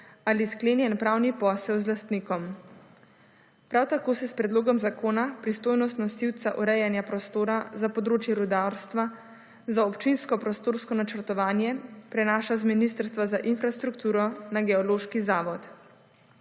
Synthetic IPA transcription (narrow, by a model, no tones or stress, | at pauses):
aliskleːnjɛnpɾaːwnipɔːsɛwzlast̪niːkɔm | pɾawt̪akoːsɛspɾɛd̪loːɡɔmzakʰoːnapɾist̪oːjnɔst̪nɔsiwt̪saʔɔɾɛjanjapɾɔst̪oːɾazapɔd̪ɾoːt͡ʃjɛɾud̪aɾst̪ʋa | zaɔpt͡ʃinskɔpɾɔst̪oːɾskɔnat͡ʃəɾt̪ɔʋaːnjɛpɾɛnaːʃazminist̪əɾst̪ʋazaʔinfɾast̪ɾukt̪uːɾɔnaɡɛɔloːʃkizaːʋɔt̪